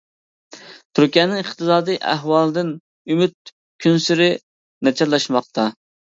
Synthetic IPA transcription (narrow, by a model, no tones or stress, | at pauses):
t̪ʰuɾkʲɛːnɪŋəχt̪ɨsɑːd̪ɨjʔæ̰ɦwɑlˠd̪ɪn | ymyt̪̚ | kʲʰynsyɾɪ | nɛt͡ʃʰɑɾlˠɑʃmɑqt̪ʰɑ